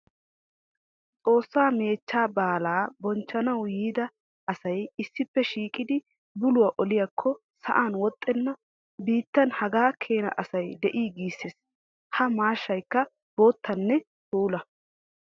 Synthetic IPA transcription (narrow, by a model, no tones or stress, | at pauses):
t͡sʼo̞ːsːaːme̞ːt͡ʃːaːbaːlaːbɔnt͡ʃːɐnɐwjiːd̪ɐ | ɐsɐjɪsːɪpːɛʃiːkʼɪd̪ɪ | bʊlʊwaʔɔlɪjɐkʰːɔ | sɐ̰ʔaːnwɔt̪ʼːɛnːɐ | biːt̪ːɐnhɐɡaːkʰe̞ːnɐ̰ʔɐsɐjd̪ɛʔiːɡiːsːes | hɐmaːʃːɐjkːɐ | b̥o̞ːt̪ːɐnːɛ | t̪uːlɐ